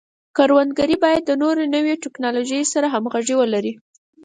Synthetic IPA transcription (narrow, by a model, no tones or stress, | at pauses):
kaɾwand̪̚ɡaɾibɑjad̪ːənoɾenəweʈɪknɑloʒəjsaɾaɦamɣaʒiwəlaɾi